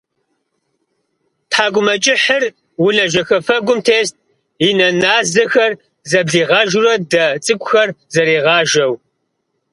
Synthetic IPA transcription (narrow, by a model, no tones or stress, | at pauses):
tħaːɡʷʼʊmɐt͡ʃʼɪħər | wʊnɐʒɐxɐfɐɡʷʊmtʰeːst̚ʼ | inɐnaːzɐxɐr | zɐbɮiːʁɑːʒʊrɐdɐt͡sʼɨkʷʼʊxɐrzɐɾeːʁɑːʒɐw